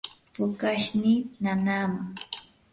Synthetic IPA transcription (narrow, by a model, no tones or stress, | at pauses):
pʊkaʃninanaːmaŋ